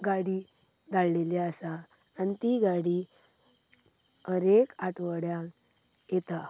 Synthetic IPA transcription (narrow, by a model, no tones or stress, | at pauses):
ɡaɽi | d̪alleleəsaː | nit̪iɡaɽi | əɾekaʈʋəɽja | jet̪a